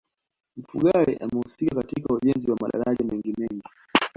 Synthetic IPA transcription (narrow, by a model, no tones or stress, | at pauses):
m̩fṵɠaɾɛ̰ʔamɛhusikakatikauʄɛnziwamaɗa̰ɾaʄamɛŋɡimɛŋɡi